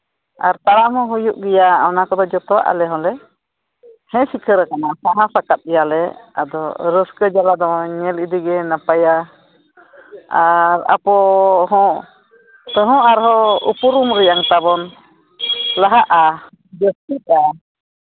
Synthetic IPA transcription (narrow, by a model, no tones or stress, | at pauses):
a̰ɾt̪aɾaʔɦɔ̃ɦujuʔɡɛjaɔnakɔd̪ɔd͡ʒɔt̪ɔwa̰ʔa̰lɛɦɔ̃lɛ | hɛ̃sikʰəɾəkanaʔsaɦãsakat̪̚ɛjalɛa̰d̪ɔ̰ɾəskəd͡ʒalad̪ɔɲɛlid̪iɡɛnapaja | aɾa̰pɔɦɔ̃ʔ | t̪əɦɔ̃ʔaɾɦɔṵpuɾumɾijaŋt̪abɔn | laɦaʔa | d͡ʒəst̪ik̪̚a